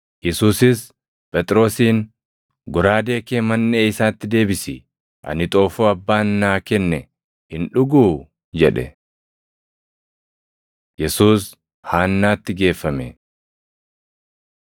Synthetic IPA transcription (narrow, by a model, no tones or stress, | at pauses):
jɛsuːsɪs | pʼɛt̪ʼɾo̞ːsiːn | ɡʊɾaːd̪e̞ːkeːmɐnːeːɪsaːt̪ːɪd̪e̞ːbɪsɪ | ʔɐ̰nɪt̪ʼo̞ːfuɐbːaːnːaːkɛnːɛ | hɪnᶑʊɡuː | d͡ʒɛᶑɛ̰ | jɛsuːs | haːnːaːt̪ːɪɡe̞ːfːɐmɛ